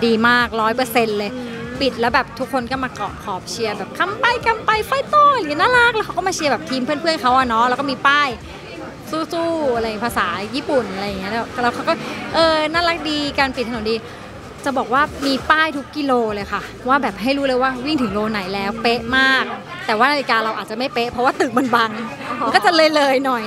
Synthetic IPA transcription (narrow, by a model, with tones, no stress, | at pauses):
diː˧maː˥˩k̚ɾɔː˦˥jpɤː˧se˧nlɤː˧jpi˨˩t̪̚lɛː˦˥wbɛː˨˩p̚t̪ʰu˦˥kʰːo˧nkɔː˥˩maː˧kɔ̰ː˨˩kʰɔː˨˩p̚t͡ɕʰi˧ɐbɛː˨˩p̚kʰa˧mpa˧jka˧mpa˧jfɔ˥˩jt̪oː˧˩a˧˨ŋː˨i˦˥naː˥˩la˦˥k̚lɛː˧˦˥wʰkʰa˦˥kɔ˥˩maː˧t͡ɕʰi˧ɐbɛː˨˩p̚t̪ʰiː˧mpʰɯ˥əpʰɯ˥˩ənkʰa˦˥wʔa˨˩nɔ˦˥lɛː˧˦˥wkɔː˥˩miː˧paː˥˩j | suː˥˩suː˥˩a˧ɾjpʰaː˧saː˩˦jiː˥˩pu˨˩nʔa˧ɾa˧ja˨˩ŋːi˦˥ɐ˧lɛː˦˥wlɛː˦˥wkʰa˦˥wkɔː˥˩ʔɤː˧naː˥˩la˦˥k̚diː˧kaː˧npi˨˩t̪ːʰno˩˦diː˧ | t͡ɕa˨˩bɔː˨˩k̚waː˥˩miː˧paː˥˩jt̪ʰu˦˥kːi˧loː˧lɤː˧jxʰa˥˩ | waː˥˩bɛː˨˩p̚ɦa˥˩jɾuː˦˥lɤː˧jwaː˥˩wi˥˩ŋt̪ʰɯ˩˦ŋloː˧na˩˦jlɛː˦˥wpe˦˥ʔmaː˥˩k̚ | t̪ɛː˨˩waː˥˩ʔa˧i˧kaː˧ɾa˧wʔaː˨˩t͡ɕa˨˩ma˥˩jpe˦˥ʔpʰɾɔ˦˥waː˥˩t̪ɯ˨˩k̚ma˧˦nba˧ŋ | m˧nkɔ˥˩t͡ɕa˨˩lɤː˧jlɤː˧jnɔ˨˩j